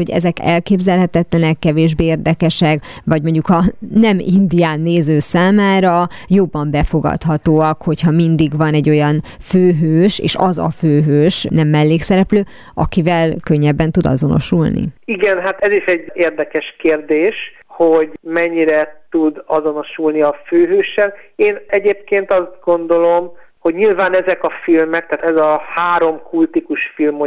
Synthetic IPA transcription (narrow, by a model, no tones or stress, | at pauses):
o̞ɟɛ̰zɛkɛ̰lkeːbzɛlɦɛt̪ɛt̪lɛnɛkːɛveːʒbeːeːrd̪ɛkɛʃɛkvɒɟmo̞ɲɟukɒnɛmḭnd̪ijaːnːeːzøːsaːmaːɾɒjo̞bːɒmbɛfo̞ɡɒ̰t̪hɒt̪oːɒkho̞chɒmind̪iɡvɒnɛɟːo̞jɒnføːɦøːʃḛːʃɒzɒ̰føːɦøːʃnɛmːɛlːeːksɛɾɛpløː | ʔɒkivɛlkøɲːɛbːɛnt̪ud̪ɒ̰zo̞no̞̰ʃulnḭiɡɛnɦat̪ɛziʃɛɟːeːrd̪ɛkɛʃkeːrd̪eːʃ | hoɟmɛɲːiɾɛt̪ud̪ɒzo̞no̞ʃulniɒføːɦøːʃːɛleːnɛɟeːp̚keːnt̪ɒzd̪̚ɡo̞nd̪o̞lo̞m | ho̞ɟɲilvaːnɛzɛkɒfilmɛk̚t̪aaːt̪ɛzɒhaːɾo̞mkult̪ikuʃfilmo